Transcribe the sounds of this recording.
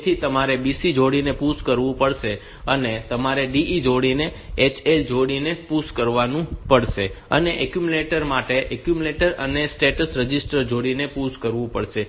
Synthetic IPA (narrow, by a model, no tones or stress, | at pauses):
t̪ʰit̪əmaɾebisid͡ʒoɽinepuskəɾʋũpəɭʃe | ənet̪əmaɾeɖiʔid͡ʒoɽineːt͡ʃʰeld͡ʒoɽinepuskəɾʋanũpəɽʃeə̰neʔɛkjumuleʈəɾmaʈeʔɛkjumleʈəɾə̰nesʈeʈəsɾəd͡ʒisʈəɾd͡ʒoɽinepuskəɾʋũpəɭʃe